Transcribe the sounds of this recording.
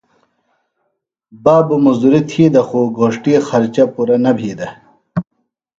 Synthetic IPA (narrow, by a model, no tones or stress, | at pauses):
baːbumɐzd̪uɾit̪ʰiːd̪ɐxuːɡoːʂʈixɐɾt͡ɕɐpuɾɐnɐbʱiːd̪ɐ